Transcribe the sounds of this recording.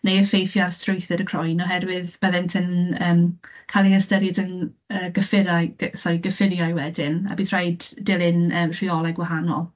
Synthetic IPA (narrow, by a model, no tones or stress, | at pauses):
nejəfejθjarstʰrʊjθɪɾəkʰr̥ɔjnɔɦɛdwɪðb̥əðɛntʰənəːmkʰalˠiəstəɾɪdən | əːɡəfɪɾaj̥sɔiɡəfɪɾjajwɛdɪna̰biθʰr̥ajdːɪlˠɪnəːmr̥iɔlˠɛɡwaɦanɔ̰lˠ